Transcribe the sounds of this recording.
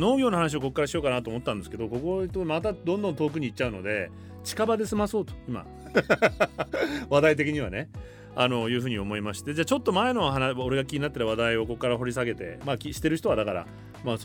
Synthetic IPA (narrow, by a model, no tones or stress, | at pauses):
no̞ːɡʲo̞ːnohanaɕ̬io̞ko̞kːaɾaɕijo̞ːkanat̪oːmo̞t̪ːãnd̪eske̞d̪o̞ko̞ko̞t̪omat̪ad̪õnd̪õnt̪o̞ːk̬ɯ̟ɲ̟iːtt͡ɕːaɯ̟no̞̰d̪e̞ | t͡ɕi̥kabad̪e̞sɨmaso̞ːt̪o̥ima̰ | βad̪ait̪e̞kʲiɲ̟iβa̰ne | ano̞jɯ̟ːɸɯ̟ːɲ̟io̞mo̞imaɕi̥t̪e̞d͡ʑaːt͡ɕo̞t̪ːo̞maeno̞ɦanaoɾe̞ɡakʲiɲ̟inat̪ːeɾaβad̪aio̞ko̞kːaɾaɦo̞ɾʲisaɡe̞t̪e̞̰maːkʲiɕi̥t̪ːe̞ɾɯ̟çi̥t̪o̞ad̪akaɾa̰ | maːs